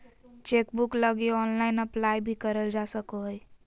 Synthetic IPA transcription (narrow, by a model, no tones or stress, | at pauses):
t͡ʃekbukləɡiɔːnlaɪnəplajbʱikəɾəld͡ʒasəkoɦj